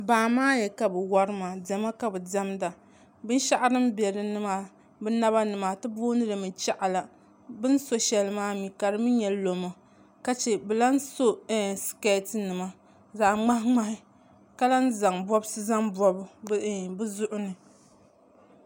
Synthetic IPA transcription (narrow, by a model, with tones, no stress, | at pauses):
baː˨maː˦jɛ˨ka˨bɨ˨wa˦ɾɨ˦ma˨dɛ˨ma˦ka˨bɨ˨dɛ˦mda˨ | bɨ˦n˦ʃa˦ʔa˦ɾɨ˦m˦bɛ˨ɾɨ˨nɨ˦ma˨ | bɨ˦na˦βa˦nɨ˨ma˨tɨ˦bo˦nɨ˦lɨ˨mɨ˨t͡ʃa˦ʔa˨la˨ | bɨ˦n˦so˦ʃɛ˨lɨ˦maː˦mi˨ka˨ɾɨ˦mi˦ɲɛ˨lo˨ma˨ | ka˦t͡ʃɛ˨bɛ˨la˦n̩˦so˦ska˦tnɨ˨ma˦ | zaː˨ŋ͡ma˦hŋ͡ma˦hɪ˦ | ka˦la˦n˦za˨ŋbɔ˦bsɨ˦za˦ŋbɔ˦bʊ˦bɨ˦zʊ˦ʔʊ˦nɨ˨